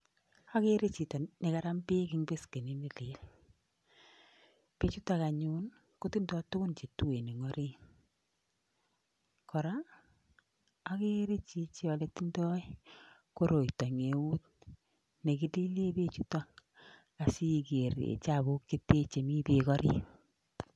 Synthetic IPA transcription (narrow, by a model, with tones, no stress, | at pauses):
a˦ke˦ɾe˦t͡ʃi˨tɔ˨ne˨ka˦ɾa˦mpi˦kɪ˦ŋbe˦ske˨ne˨˦ne˨li˦l | pe˦t͡ʃu˦ta˨ka˨ɲu˦n | kʊ˦ti˦ndɔ˦tʊ˦kʊ˦nt͡ʃe˨tu˦we˨ne˨ŋɔ˦ɾi˦ | kʰɔ˨ɾa˦ | a˦ke˦ɾe˦t͡ʃi˦t͡ʃɔ˨le˨ti˦ndɔ˦i˦ | ko˦ɾo˨itɔ˨ŋe˨u˦t̚ | ne˨kɪ˨li˦le˦be˦t͡ʃu˦ta˦ | a˨si˦ke˨ɾḛ˨t͡ʃa˨bo˦kːi˦te˦t͡ʃe˨mi˦pi˨kɔ˦ɾi˦